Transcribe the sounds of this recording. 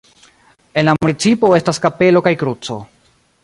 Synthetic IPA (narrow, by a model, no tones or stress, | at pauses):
e̞nlamunit͡sipo̞e̞staskape̞lo̞kajkɾut͡so̞̰